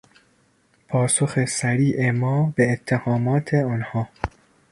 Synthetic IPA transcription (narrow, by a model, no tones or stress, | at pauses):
pʰɒːsoxe̞sæɾiːʔemɒːbeːt̪ʰːehɒːmɒːt̪ʰeɒːnhɒː